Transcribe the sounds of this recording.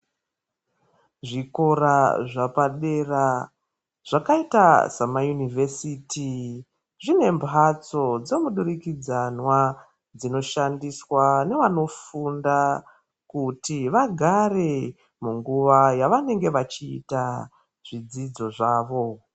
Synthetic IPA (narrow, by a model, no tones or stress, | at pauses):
ʐiko̞raʐapaɗe̞ra | ʐ̥akaitasamajunivesiti | ʐine̞mbʱat͡so̞d͡ze̞muɗurikid͡zanwa | d͡zino̞ʃandiswane̞ʋano̞funda | kutiʋaɡʱare̞ | muŋɡuʋajaʋane̞ŋɡe̞ʋat͡ʃḭːta | ʐ̥id͡zid͡zo̞ʐaːʋo̞